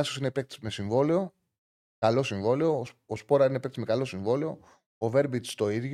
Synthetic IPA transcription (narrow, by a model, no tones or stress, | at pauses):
ɐsosinepek̚t̪i̥zme̞siɱvo̞leo̞ | kɐlo̞siɱvo̞leo̞ospo̞ɾɐine̞pk̚t̪izmekɐlo̞siɱvo̞leo̞ | ove̞ɾbit̪st̪o̞iðʝ